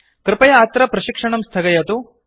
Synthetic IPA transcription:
kɾɪpɐjɐaːt̪ɾɐpɾɐʃikʂɐɳɐmst̪ʰɐɡɐjɐt̪u

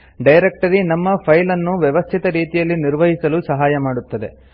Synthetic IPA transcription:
ɖɐjɾek̚ʈɐɾinɐmːɐpʰɐjlɐnːuʋjɛʋɐst̪ʰit̪ɐɾiːt̪ijɐlːiniɾʋɐɦisɐlusɐɦaːjɐmaːɽut̪ːɐd̪e̞̰

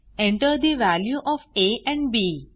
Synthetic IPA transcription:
ẽɳʈəɾd̪iʋæljuʔɔːfeʔɛ̃ɳɖbiː

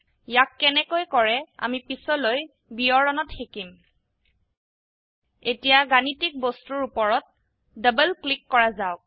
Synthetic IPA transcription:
jakːɛnɛkojkɔɹɛa̰mipisɔloj | biɔɹɔnɔtxekim | etijaɡanitik̚bostuɹupɔɹɔt̚ | dəbəlklikːɔɹazaʊk̚

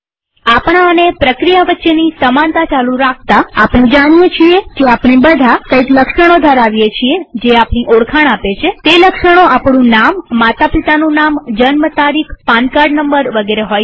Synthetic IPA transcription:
apɳ̃aənepɾəkɾijaʋətːʃenisəmant̪at͡ʃalũɾak̚ʰt̪aapnẽd͡ʒaɽ̃ijet͡ʃʰiekeapɳibəd̪ʱakəikləkʃəɽ̃od̪ʱəɾaʋjet͡ʃʰied͡ʒeapñiʔoɽkʰaɳ̃apet͡ʃʰet̪eləkʃəɽ̃oapɳ̃ũnamːat̪apit̪anũnamd͡ʒənmət̪aɾikʰpankaɾɖnəmbəɾʋəɡeɾeɦoj

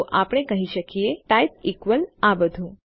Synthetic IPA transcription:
ʔapəɽ̃ekəɦiʃəkieʈajt̪̚ikʋəlabəd̪ʱũ

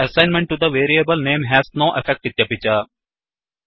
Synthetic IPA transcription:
ɐsãɪ̃nmɛ̃ɳʈːud̪əʋeːɾiebəlnẽːmɦæːznoːʔefɛk̚ʈit̪jɐpit͡ʃa

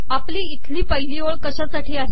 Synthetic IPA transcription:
apliːt̪ʰliːpəjliːoɭkəɕasaʈʰiːaɦe

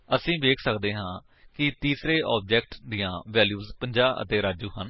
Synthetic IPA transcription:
əsĩːʋeːkʰsəkd̪eːɦãː | kɪt̪iːsɾeːʔɔːb̚d͡ʒɛːk̚ʈd̪ijãːʋɛːljuːzpəɲd͡ʒaːʔə̰t̪eːɾaːd͡ʒuːɦən

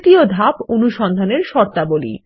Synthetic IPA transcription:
t̪iod̪ʱaponuʃɔnd̪ʱaneɾʃɔɾt̪abolḭ

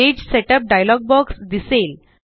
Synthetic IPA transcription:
ed͡ʑseʈəp̚ɖajlɔɡ̚bɔksd̪isel

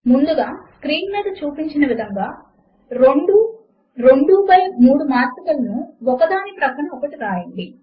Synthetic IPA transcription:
mund̪uɡaːskɾiːnmiːd̪ɐt͡ʃuːpiɲt͡ʃinɐʋid̪ʱɐŋɡaː | ɾeɳɖu | ɾeɳɖuːpɐjmuːɽumaːɾt̪ɐɡɐlɐnuɔkɐd̪aːnipɾɐpʰɐɳɐmɔkɐʈiɾaːjɐɳɖi

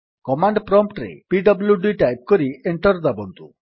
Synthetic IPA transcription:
kɔmaɳɖpɾɔmpʈɾḛpiɖɔbljuɖiʈajp̚kɔɾieɳʈɔɾd̪abɔnt̪ṵ

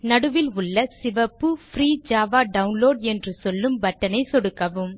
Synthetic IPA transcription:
nɐɽɯʋɪlʊɭːɐsɪʋɐpːɯfɾiːd͡ʒaːʋaːɖɐʊnloːɽɛndrɯsɔlːɯmbɐʈːɐnɐɪsɔɽɯkːɐʋɯm

